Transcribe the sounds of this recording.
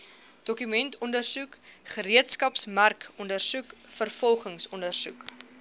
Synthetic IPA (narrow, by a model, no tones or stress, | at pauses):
d̥ɔkymɛntʰɔndərsukχəɾiətskɐpsmærkɔndərsukfərfɔlˠχəŋsɔndərsuk